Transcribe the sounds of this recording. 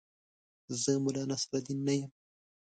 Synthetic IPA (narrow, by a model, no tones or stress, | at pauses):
zəmʊlɑnasɾad̪inːajəm